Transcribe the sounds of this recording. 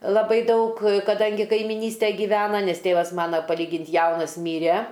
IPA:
lˠɐˈbɐɪ ˈdɐʊk kɐˈdɐŋʲɡʲɪ kɐɪmʲɪˈnʲiːsʲtʲæ ɡʲiːˈʋʲæːnɐ ˈnʲɛs ˈtʲeːʋɐs ˈmɑːnɐ pɐˈlʲiːɡʲɪnʲtʲ ˈjɛʊnɐs ˈmʲiːrʲɛ

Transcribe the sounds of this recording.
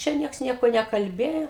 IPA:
ˈt͡ʃʲɛ ˈnʲiɛks ˈnʲiɛkoː nʲɛkɐlʲˈbʲeːjoː

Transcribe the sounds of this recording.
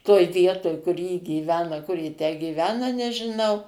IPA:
toːj ˈʋʲiɛtoːj kʊr jɪ ɡʲiːˈʋʲæːnɐ kʊr jɪ tʲæː ɡʲiːˈʋʲæːnɐ nʲɛʒʲɪˈnɐʊ

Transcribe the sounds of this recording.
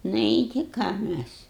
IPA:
ˈnʊ ɪ ˈtʲɪ ˈkɑː ˈmʲæs

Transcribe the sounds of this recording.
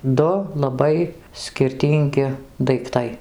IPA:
ˈdʊ lˠɐˈbɐɪ sʲkʲɪrʲˈtʲiːŋʲɡʲɪ dɐɪkˈtɐɪ

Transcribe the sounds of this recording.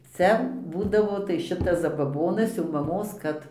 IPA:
ˈt͡sʲɛ ˈbuːdɐʋoː tɐɪ ˈʃʲɪtɐs zɐbɐˈboːnɐs jɛʊ mɐˈmoːs ˈkɐt

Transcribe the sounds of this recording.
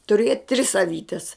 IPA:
tʊˈrʲiɛt tʲrʲɪs ɐˈʋʲiːtʲɛs

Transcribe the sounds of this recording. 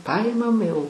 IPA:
ˈpɐɪmɐm jɛʊ

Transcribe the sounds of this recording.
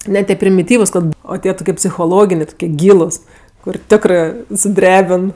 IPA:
ˈnʲɛ tʲiɛ pʲrʲɪmʲɪˈtʲiːʋʊs ˈkɐt ˈoː ˈtʲiɛ toːˈkʲiɛ pʲsʲɪxoːˈlˠoːɡʲɪnʲeː toːkʲiɛ ˈɡʲiːlˠʊs kʊr ˈtʲæːkrɜ sʊˈdʲrʲæːbʲɪn

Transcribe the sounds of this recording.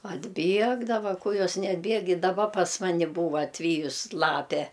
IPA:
ɐdʲˈbʲiɛɡdɐʋɐ ˈkʊ ˈjoːs nʲɛɐdʲˈbʲiɛk ɪ dɐˈbɐ pɐs ˈmɑːnʲɪ ˈbuːʋɐ ɐtʲˈʋʲiːjʊs ˈlˠɑːpʲɛ

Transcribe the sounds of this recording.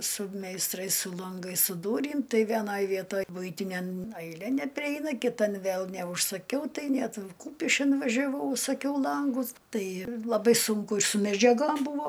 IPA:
sʊ mʲɛɪsˈtrɐɪs sʊ lˠɐŋˈɡɐɪs sʊ ˈduːrʲiːm ˈtɐɪ ʋʲiɛˈnɐj ˈʋʲiɛtoːj ˈbʊɪtʲɪnʲɛm ɐɪˈlʲeː nʲɛpʲrʲɪˈɛɪnɐ kʲɪˈtɐn ˈʋʲeːlˠ nʲɛʊʃsɐˈkʲɛʊ ˈtɐɪ ˈnʲɛt ˈkuːpʲɪʃʲkʲɪn ʋɐʒʲɛˈʋɐʊ ʊʃsɐˈkʲɛʊ ˈlˠɐŋɡʊs ˈtɐɪ lˠɐˈbɐɪ ˈsʊŋkʊ ɪr sʊ mʲɛd͡ʒʲɛˈɡoːm ˈbuːʋoː

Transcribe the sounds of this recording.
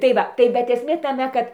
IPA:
tɐɪ ˈʋɐ tɐɪ bʲɛt ɛsʲˈmʲeː tɐˈmʲɛ kɐt

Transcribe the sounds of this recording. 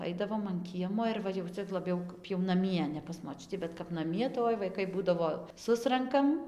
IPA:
ˈɐɪdɐʋoːm ɐn ˈkʲiɛmoː ɪr ˈʋɐ jɛʊ ˈt͡sʲɛ lˠɐˈbʲɛʊ kɐp jɛʊ nɐˈmʲiɛ nʲɛ pɐs moːˈt͡ʃʲʊtʲiː bʲɛt kɐp nɐˈmʲiɛ tɐɪ ˈoːɪ ʋɐɪˈkɐɪ ˈbuːdɐʋoː ˈsʊrɐŋkɐm

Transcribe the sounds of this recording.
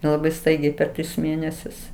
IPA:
lˠɐˈbɐɪ ˈstɐɪɡʲɛɪ pʲɛr ˈtʲrʲɪs ˈmʲeːnʲɛsʲʊs

